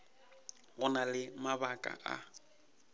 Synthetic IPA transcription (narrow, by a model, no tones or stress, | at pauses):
ɣʊnalɪmaβakʼa̰ʔa̰